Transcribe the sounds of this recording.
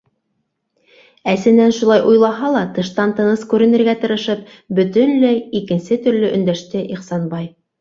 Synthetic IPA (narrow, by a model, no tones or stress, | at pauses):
æsɘ̆nænʃulˠɑjʔujlˠɑɦɑlˠɑt̪ɤ̆ʃt̪ɑnt̪ɤ̆nɤskʉɾɘ̆nɘ̆ɾɡæt̪ɤ̆ɾɤ̆ʃɤp̚ | bɵ̆t̪ɘnlæjikɘ̆nsɘt̪ɵ̆ɾlɵʔɵ̆nd̪æʃt̪ɘʔiχsɑnbɑj